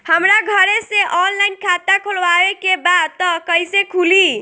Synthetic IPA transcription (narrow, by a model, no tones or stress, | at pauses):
həmɾaɡʱəɾesẽʔɔnlaɪnkʰat̪akʰolʋaɾekebad̪̚t̪ɔkəjsekʰuli